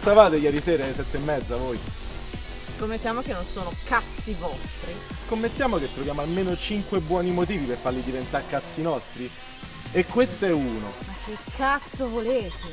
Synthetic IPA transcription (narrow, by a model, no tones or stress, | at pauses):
st̪avaːt̪ejɛːɾisɛːɾalesɛt̪ːeemːɛd̪zavoːj | skomːet̪ːjaːmokenːonsoːnokat̪sivɔst̪ɾiskomːet̪ːjaːmoket̪ːɾovjaːmoalmeːnot͡ʃiŋkwebːwɔːnimot̪̬iːvipefarlid̪ivent̪arkat̪sːinɔst̪ɾi | ekːwest̪oɛuːnomak̟ːekʰːat̪sovoleːt̪e